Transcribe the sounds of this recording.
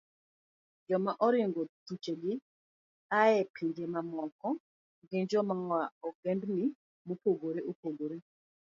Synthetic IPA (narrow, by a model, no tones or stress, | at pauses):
d͡ʒɔmaʔɔɾɪŋɡot̪ut͡ʃeɡɪ | aɛpʰiɲd͡ʒemamɔkɔ | ɡeɲd͡ʒɔmawaɔɡɛndnɪ | mopoɡoɾeʔupoɡoɾe